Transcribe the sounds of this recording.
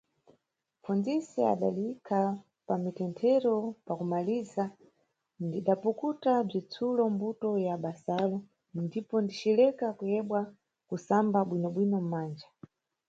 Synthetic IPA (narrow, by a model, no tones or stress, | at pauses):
mfund͡zisia̰ɗa̰likʰa | pamitɛntʰɛɾɔpakumaliza | ndiɗapukutab͡ʐit͡sʰulɔmbutɔjaɓasalɔ | ndipɔndit͡ʃilɛkakujɛɓwa | kusambaɓwinɔɓwinɔm̩maːnd͡ʒa